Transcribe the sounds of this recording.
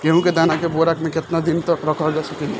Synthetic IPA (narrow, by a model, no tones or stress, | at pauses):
keɦũked̪anakeboɾakmeket̪nad̪int̪ɔkɾəkʰɔld͡ʒasəkili